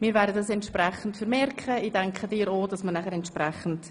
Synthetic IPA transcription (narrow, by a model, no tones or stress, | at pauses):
miːɾvɛːɾdədɑs̬ɛntʃpɾɛχən̩tfəɾmɛɾkʰχəiːdɛŋkχədiːɾoːd̥ɑsmənæχəɾɛntʃpɾɛχən̩t